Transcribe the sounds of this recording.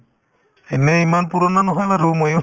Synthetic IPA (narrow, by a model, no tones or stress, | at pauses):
ɛneimanpuɾɔnanɔɦalaɾumɔjɔ